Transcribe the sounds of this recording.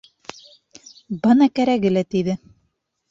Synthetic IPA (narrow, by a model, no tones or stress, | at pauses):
bɤnɑkæɾæɣɘlæt̪iðɘ